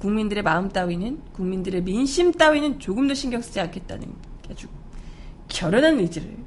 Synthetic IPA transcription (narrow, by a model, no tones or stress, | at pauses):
kuŋmindɯɾe̞maɯmt͈awinɯnkuŋmindɯɾe̞minɕʰimt͈awinɯnt͡ɕoɡɯmdoɕʰiŋɡjʌk̚s͈ɯd͡ʑiankʰe̞t̚t͈a̰nɯ̰nkad͡ʑu | kjʌɾʌnɦanːed͡ʑiɾɯ̰ɭ